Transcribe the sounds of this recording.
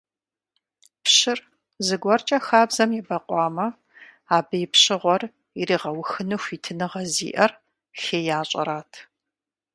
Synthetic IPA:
pɕɪr | zɨɡʷɔrt͡ʃʼɐxaːbzɐmjɛbɐqʷʼɑːmɐ | aːbɨjɪpɕɨʁʷɔr | iriːʁɐwʊxɨnɨxʷiːtʰɨnɨʁɐzḭːʔɐr | xeːjaːɕʼɐ̰ɾaːtʰ

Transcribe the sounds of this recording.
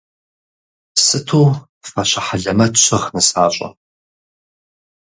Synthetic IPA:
sɨtʰuː | fɐɕɐħaɮɐmɐtɕʷʰɐʁnɨsaːɕʼɐ̰

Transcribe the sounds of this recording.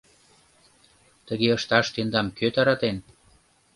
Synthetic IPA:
t̪əɣeəʃt̪ɑʃt̪end̪ɑmkøt̪ɑɾɑt̪en

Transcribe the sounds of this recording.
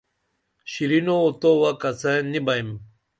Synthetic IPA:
ɕiɾinoːt̪owakat͡sãnibaim

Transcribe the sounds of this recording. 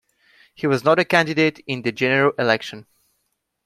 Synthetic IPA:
hiwɔznɔɾəkæ̃ndɪdeːtɪ̃nd̪ɨd͡ʒɛnəɹəlʔɪlɛkʃə̃n

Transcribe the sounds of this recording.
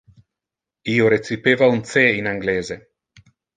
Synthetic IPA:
iːoɾet̪sipeːvaunt̪seinaŋɡleːze

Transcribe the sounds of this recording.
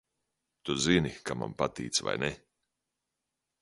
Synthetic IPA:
t̪uzinikama̰mpat̪iːt̪sva̰jnɛ

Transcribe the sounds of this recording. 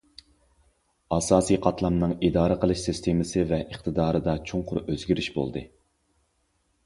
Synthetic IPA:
ɑsɑːsiqʰɑt̪lˠɑmnɨŋid̪ɑːɾəqʰəlˠɨʃsist̪ʰemɪsɨvɛʔəχt̪ʰɨd̪ɑːɾɨd̪ɑt͡ʃʰoŋqʰʊɾøzɡʲiɾyʃbo̰lˠd̪ɨ

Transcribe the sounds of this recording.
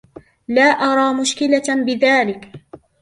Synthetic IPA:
laːʔɑɾˤɑːmʊʃkɪlabɪðaːlɪk

